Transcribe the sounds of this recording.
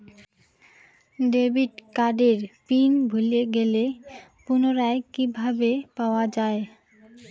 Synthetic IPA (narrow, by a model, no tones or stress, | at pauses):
ɖebʱiʈkaɖeɾpinbʱuleɡelepunoɾaekibʱabepaoad͡ʑae